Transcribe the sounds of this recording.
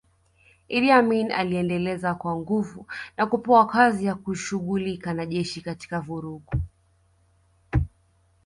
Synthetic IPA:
iliamina̰liɛndɛlɛzakwaŋɡuvunakupɔakazijakuʃuɠulikanaʄɛʃikati̥kavuɾuɠu

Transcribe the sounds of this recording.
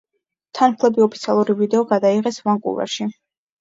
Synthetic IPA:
t̪ʰanpʰlˠɛbiɔpʰit̪sʰialˠuɾivid̪ɛɔɡad̪aiʁɛsvaŋkʼṵvɛ̰ɾʃi

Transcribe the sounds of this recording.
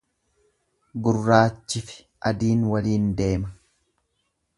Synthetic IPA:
ɡʊrːaːt͡ʃːɪfɪ̥ | ʔɐd̪iːnwɐliːnd̪e̞ːmɐ

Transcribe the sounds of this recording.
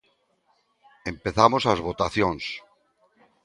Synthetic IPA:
empeθamosazβot̪aθjoŋs

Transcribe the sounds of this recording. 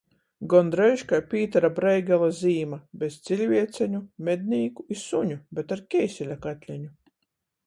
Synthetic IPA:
ɡɔnd̪ɾɛjʃkajpʲiːt̪aɾabɾɛjɡʲalˠaziːmabʲest̪sʲilʲvʲiɛt̪sɛɲumʲed̪̚ʲnʲiːkuisuɲubʲet̪aɾkʲɛjsʲɛlʲakat̪ʲlʲɛɲu

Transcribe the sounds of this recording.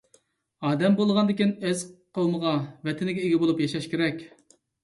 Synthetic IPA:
ɑːd̪ɛmbolˠʁɑnd̪ɪkʲinɛzqʰowməʁɑvɛt̪ʰɪnɪɡʲɛeɡʲibolˠupjɑʃɑʃkʲeɾɛkʲ

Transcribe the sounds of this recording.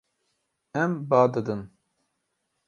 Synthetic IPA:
ɛmbaːd̪ɨd̪ɨn

